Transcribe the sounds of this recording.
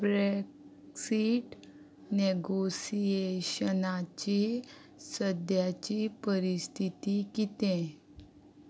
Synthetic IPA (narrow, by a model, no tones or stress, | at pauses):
bɾek | siʈ | neɡosieɕənat͡ɕi | səd̪jat͡ɕiːpəɾist̪ʰit̪ikit̪ẽ